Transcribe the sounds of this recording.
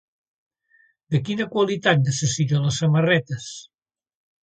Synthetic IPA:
d̪əkinəkwalit̪at̪̚nəsəsit̪oləsːəmərɛt̪əs

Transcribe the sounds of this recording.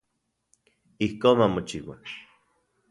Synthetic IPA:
ihkoːmamot͡ʃiwa̰

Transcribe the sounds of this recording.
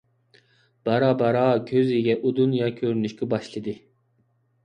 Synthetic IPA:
b̥ɑɾɑːbɑɾɑkʲʰøziɡʲɛʔud̪unjɑkʲʰøɾnyʃkʲɛbɑʃlˠɨd̪ɨ

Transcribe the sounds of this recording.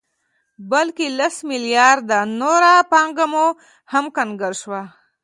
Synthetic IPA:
bəlkelɐsmɪljɑɾd̪anoɾapaŋɡamo | hɐmkənɡəɾʃwa

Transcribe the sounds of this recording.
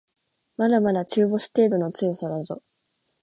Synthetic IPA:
mad̪amad̪at͡ɕɨːbo̞sɨ̥t̪e̞ːd̪o̞no̞t͡sɨjosoɾaɯzo̰

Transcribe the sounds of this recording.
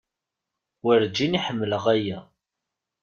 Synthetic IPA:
wəɾd͡ʒiniħəmːələʁæjæ

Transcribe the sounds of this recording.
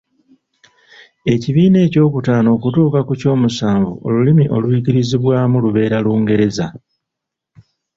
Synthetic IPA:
e̞ciβiːne̞ːco̞ːkutaːno̞ːkutuːkakuco̞ːmusaːɱvuʔo̞̰lulimiʔo̞lwuiciɾiziβwaːmuluβe̞ːɾaluːŋɡe̞ɾe̞za

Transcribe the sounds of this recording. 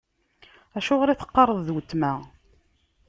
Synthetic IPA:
æʃʊʁɾiθə̥qːɑrˤəðˤðwət̪ːmæ

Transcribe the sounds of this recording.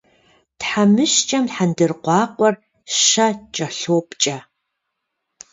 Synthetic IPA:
tħamɨʃt͡ʃʼɐmħandɨrqʷɑːqʷʼɔr | ʃɐt͡ʃʼɐɬoːpt͡ʃʼa

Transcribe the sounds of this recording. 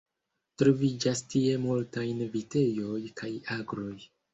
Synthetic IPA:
tɾovid͡ʒastie̞multajnvite̞jo̞jkʰajaɡɾo̞j

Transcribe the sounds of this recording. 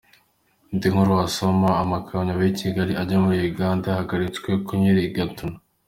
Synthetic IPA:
ndiŋhuɾwaso̞maːmakʰaɲaβecʰiɡaɾiaɟamuɾiuɡaːndahaɡaɾit͡skwe̞kʰuɲiɾiːɡatuna

